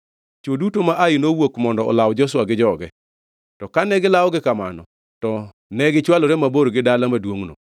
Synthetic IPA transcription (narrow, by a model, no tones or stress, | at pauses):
t͡ʃodutomaʔainowokmɔndɔɔ̰lawd͡ʒɔswaɡɪd͡ʒɔɡɛ | tɔkanɛɡɪlawɔɡɪkamanɔ̰ | tɔ | nɛɡɪt͡ʃwaloɾɛmaboɾɡɪdalamadwoŋno̰